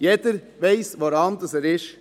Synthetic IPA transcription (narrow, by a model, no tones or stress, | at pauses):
jɛd̥̪əɾ | ʋeɪsʋoɾɑndɑsɛːɾɪʃ